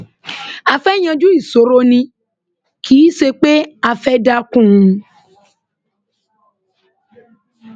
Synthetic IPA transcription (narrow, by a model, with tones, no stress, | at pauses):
a˧fɛ˦j̃ã˧d͡ʒu˦i˦˨so˨˦ɾo˦nĩ˧ | kʰiː˨˦se˧k͡pe˦a˧fɛ˦da˦kũ˦˨ũ˧